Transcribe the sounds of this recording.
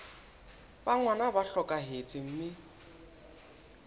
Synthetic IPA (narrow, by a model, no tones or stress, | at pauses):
baŋwanabaɬɔkʼaɦet͡sʼɪm̩mɪ